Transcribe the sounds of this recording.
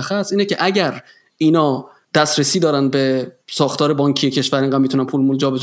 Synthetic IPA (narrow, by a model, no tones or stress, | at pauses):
æxæsiːnecʰe̞ʔæɟæɾ | iːnɒː | d̪̥æsɾesiːd̪ɒːɾænbe̞sɒːxt̪ʰɒːɾebɒːŋcʰijecʰe̞ʃvæɾeŋɢæmmit̪ʰunænpʰuːlmuld͡ʒɒːbez